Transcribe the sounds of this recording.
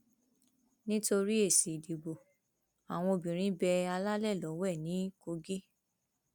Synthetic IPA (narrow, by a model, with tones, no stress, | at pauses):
nĩ˦to˧ɾi˦e˦˨si˨di˨bo˨ | a˨w̃ɔ̃˧o˧bĩ˨ɾ̃ĩ˨˦bɛ˧a˧la˦lɛ˦˨lɔ˨˦wɛ˦˨nĩ˨˦ko˧ɡi˦